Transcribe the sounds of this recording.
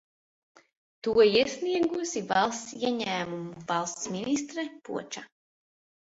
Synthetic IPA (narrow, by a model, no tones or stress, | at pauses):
t̪uɔiɛsniɛɡusivɑlˠst̪siɛɲæːmumuvɑlˠst̪sminist̪ɾɛpṵɔt͡ʃa